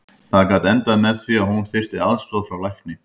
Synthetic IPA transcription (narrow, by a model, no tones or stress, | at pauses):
θaðkaːt̪ɛnt̪aðmɛðθviahunθɪr̥t̪ɪðaðst̪ɔːðfɾawlajhknɪ